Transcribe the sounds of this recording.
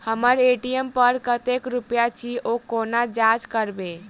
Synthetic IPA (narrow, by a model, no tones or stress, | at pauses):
həməɾeʈiəmpəɾkət̪ekɾupjat͡ʃʰiokonad͡ʒad͡ʒkəɾbe